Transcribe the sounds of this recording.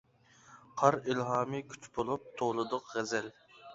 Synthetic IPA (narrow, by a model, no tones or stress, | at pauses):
qʰɑɾilɦɑːmɨkʲʰy̥t͡ʃbolˠup̚t̪ʰolˠɨd̪ʊqʁɛzɛl